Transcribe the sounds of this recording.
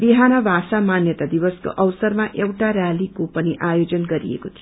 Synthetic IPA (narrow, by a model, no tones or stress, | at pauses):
biɦanʌbʱasamanjʌt̪ad̪iβʌsko̰ʔʌʋsʌɾmaʔewʈaɾjalikopʌniʔajod͡zʌnɡʌɾḭḛkot̪ʰijo